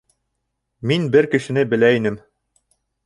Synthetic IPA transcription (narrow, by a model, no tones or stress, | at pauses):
minbɘɾkɘ̆ʃɘ̆nɘbɘ̆læinɘm